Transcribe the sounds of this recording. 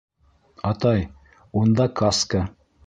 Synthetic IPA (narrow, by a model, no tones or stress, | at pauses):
ɑt̪ɑj | und̪ɑkaska